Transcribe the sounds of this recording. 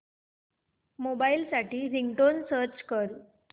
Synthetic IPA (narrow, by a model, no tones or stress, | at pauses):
mobailsaʈiːɾiŋɡʈonsəɾt͡ɕkəɾ